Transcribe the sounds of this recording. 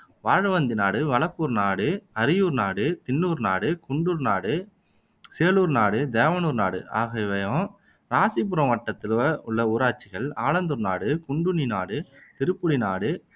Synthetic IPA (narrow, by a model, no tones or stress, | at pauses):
ʋaːɻɐʋɐnd̪ɪnaːɽɯʋɐɭɐpːuːɾnaːɽɯɐɾɪjuːɾnaːɽɯt̪ɪnːuːɾnaːɽɯkʊɳɖuːɾnaːɽɯ | seːluːɾnaːɽɯd̪eːʋɐnuːɾnaːɽɯ̰ʔa̰ːɣɐɪʋɐjɔ̃ː | ɾaːsɪp̬ːʊɾɐ̃ʋɐʈːɐt̪ːɪlɐʊɭːɐuːɾaːt͡ʃːɪɣɐɭaːlɐnd̪ɯɾnaːɽɯkʊɳɖʊninaːɽɯt̪ɪɾɯpːɯɽɪnaːɽɯ